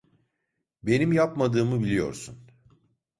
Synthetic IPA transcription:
be̞nimjapmad̪ɯːmɯbilʲijo̞̰ɾsun

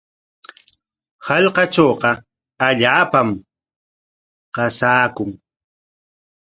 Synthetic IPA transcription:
hɑʎqɑt͡ʃoːqɑ | aʎaːpam | qɑsaːkʊŋ

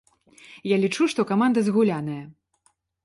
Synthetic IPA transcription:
jalʲit͡ʂuʂt̪ɔkamand̪ɐzɣulʲanɐjɐ

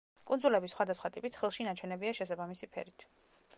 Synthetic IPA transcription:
kʼundzulɛbisːχwad̪asχwat̪ʼipʼit̪sʰχilˠʃinat͡ʃʰɛnɛbiaʃɛsabamisipʰɛ̰ɾit̪ʰ

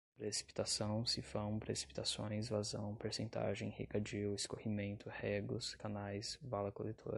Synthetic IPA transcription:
pɾesi̥pi̥t̪asɐ̃w̃sifɐ̃w̃pɾesi̥pi̥t̪asõj̃izvazɐ̰̃w̃peɾsẽnt̪a̰ʒẽj̃hekad͡ʒiwɪskohimẽnt̪ʰʊhɛɡʊskanajsvalɐkolet̪ʰo̰ɾɐ

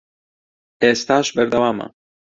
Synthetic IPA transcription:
eːst̪aːʃbɛɾd̪ɐwaːmɐ̰

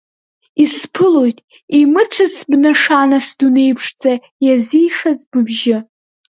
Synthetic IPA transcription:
ispʰɨlo̞jtʼ | imɨt͡ʃʷʰasbnaʂanasdune̞jpʰʂd͡zʼa | jazijʂazbɨbʒɪ

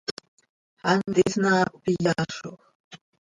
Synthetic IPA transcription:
ant̪ɪsnaːpɪjaʃoχ

